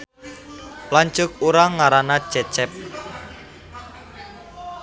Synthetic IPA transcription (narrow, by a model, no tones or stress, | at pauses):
plaɲt͡ʃʊk̚uɾaŋːaɾanḁt͡ʃɛt͡ʃɛp̚